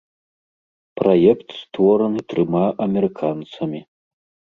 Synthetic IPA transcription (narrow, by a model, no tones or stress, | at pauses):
pɾajɛkt̪st̪vɔɾɐnɨt̪ɾɨmaʔɐmʲɛɾɨkʰant̪sɐmʲi